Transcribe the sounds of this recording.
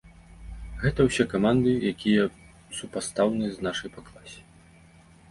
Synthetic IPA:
ɣɛt̪ɐwsʲɛkamand̪ɨjakʲijɐ | supast̪awnɨznaʂɐjpaklˠasʲɛ̥

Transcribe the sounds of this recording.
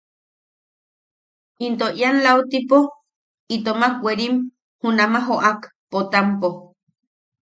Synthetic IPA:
int̪oʔjanlaut̪ipo | it̪omakʷeɾim | hunamaɦoʔakpot̪ampo

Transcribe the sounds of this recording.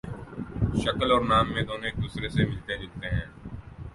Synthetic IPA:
ʃɐkəlɔːɾnaːmːẽd̪oːnoeːk̚d̪uːsɾesemɪlt̪elɪlt̪eɦɛ̃ː

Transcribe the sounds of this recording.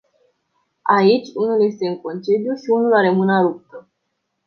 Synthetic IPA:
ait͡ʃʲunulje̞st̪e̞ɨŋko̞nt͡ʃed̪juʃiunulaɾemɨnaɾup̚t̪ə

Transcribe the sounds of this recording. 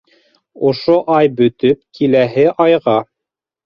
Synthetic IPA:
ŏʃoʔɑjbɵ̆t̪ɵp̚kʰilæɦɘʔɑjʁɑ

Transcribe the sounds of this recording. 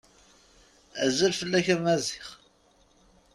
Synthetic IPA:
æ̰zəlfəlːæçæmæziχ

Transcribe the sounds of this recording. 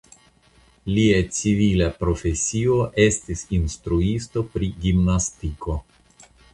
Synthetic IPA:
liat͡sivilapɾo̞fe̞sio̞ʔe̞stisinstɾuisto̞pɾiɡimnastiko̞

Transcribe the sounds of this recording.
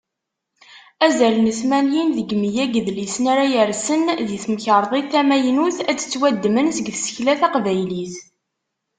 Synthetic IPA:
æzælnəθmænjinðəɡmijæɡðlisnæɾajəɾsənðiθməçɾˤðˤeθæmæjnuθæə̥t͡sːwæd̪ːmənsəɡθsə̥çlæθɑqvæjliθ

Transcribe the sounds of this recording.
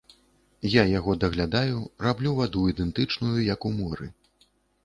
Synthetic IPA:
jajaɣɔd̪ɐɣlʲad̪ajurablʲuvad̪uid̪ɛnt̪ɨt͡ʂnujujɐkumɔɾɨ̰

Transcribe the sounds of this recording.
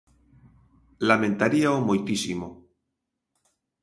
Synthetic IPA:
lamẽnt̪aɾiaomujt̪isimo

